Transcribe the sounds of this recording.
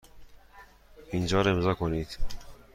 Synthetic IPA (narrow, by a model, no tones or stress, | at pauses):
ind͡ʒɑːɾemzɑkʰonit̪